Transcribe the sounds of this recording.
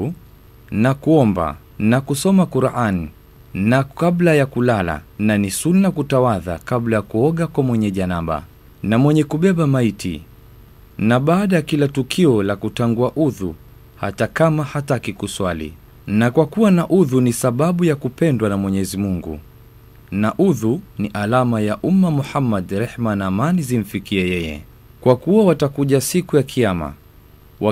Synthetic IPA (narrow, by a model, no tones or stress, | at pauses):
nakuɔmba̰ | nakusɔmakuɾʔani | naablajakulala̰nanisulnakutawaða̰kablajakuɔɠakwamwɛɲɛʄanaɓa̰ | namwɛɲɛkuɓɛɓamaitḭ | naɓaːɗajakilatukʰiɔlakutaŋɡuaʔuðṵ | ha̰takamahatakikuswalḭ | nakwakuwanaʔuðunisaɓaɓujakupɛndwanamwɛɲɛzimuŋɡṵ | naʔuðuniʔalamajaʔumːamuhamːadɾɛhmanaːmanizim̩fikiɛjɛjɛ̰ | kwakuwawatakuʄasikujakʰiama̰ | wa